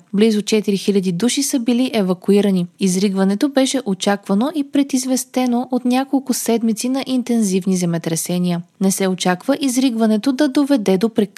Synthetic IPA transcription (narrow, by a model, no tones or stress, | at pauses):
blizʊt͡ʃɛt̪iɾixilʲɐd̪id̪uʃisəbiliʔɛvɐkuiɾəniizɾiɡvɐnɛt̪obɛʃɛʔot͡ʃakvɐnoʔipɾɛt̪izvɛst̪ɛnoʔot̪nʲakolˠkʊsɛd̪mit̪sinɐʔint̪ɛnzivnizɛmɛt̪ɾɛsɛniənɛsɛot͡ʃakvəʔizɾiɡvɐnɛt̪od̪ɐd̪ovɛd̪ɛd̪opɾɛk